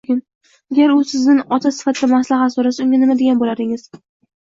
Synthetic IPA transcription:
ɡʲɪn | aɡʲaɾʊsɪznɪnɒt̪ʰasɪ̥fat̪ʰɪd̪amaslˠahat̪soɾasaʊŋɡʲanɪmad̪eɡʲanbolad̪ɪŋɪz̥

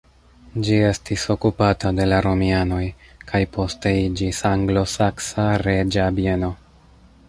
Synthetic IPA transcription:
d͡ʒie̞stiso̞kupatade̞laɾo̞miano̞jkʰajpʰo̞ste̞id͡ʒisaŋɡlo̞saksaɾe̞d͡ʒabie̞no̞

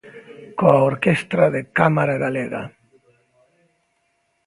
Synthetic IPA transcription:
koaoɾkest̪ɾaðekamaɾaɣaleɣa̰

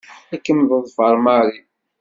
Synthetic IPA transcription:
ækːəmðˤəðˤfəɾˤmɑɾi

